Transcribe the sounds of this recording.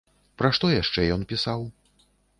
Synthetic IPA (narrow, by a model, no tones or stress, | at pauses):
pɾaʂt̪ɔjaʂt͡ʂɛjɔnpʲisaw